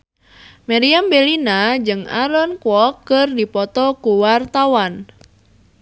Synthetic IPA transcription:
maɾiambelinad͡ʒɨŋa̰ɾɔnkwɔkːərdipɔt̪ɔkuwart̪awan

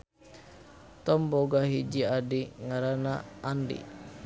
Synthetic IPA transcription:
t̪ɔmboɡaɦid͡ʒiadiŋaɾanaandḭ

